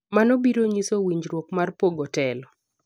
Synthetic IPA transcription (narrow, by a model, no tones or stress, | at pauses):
manobiɾoɲisowiɲd͡ʒɾwokmarpoɡɔtɛlɔ